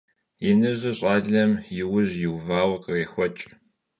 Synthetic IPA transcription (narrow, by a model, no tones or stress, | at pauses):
jɪnɨʑɨɕʼɑːɮɐmjɪwʊʑjɪwvaːwqəreːxʷɔt͡ʃʼ